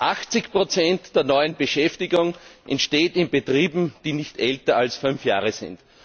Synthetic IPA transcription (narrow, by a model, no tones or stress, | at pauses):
ʔaxt͡sɪçpʁ̥ot͡sɛntd̥eːɐnɔʏənb̥əʃɛftɪɡʊŋʔɛ̰ntʃteːtɪnbetʁiːbm̩d̥iːnɪçtʔɛltɐalsfʏnfja̰ːʁəzɪ̰̃nt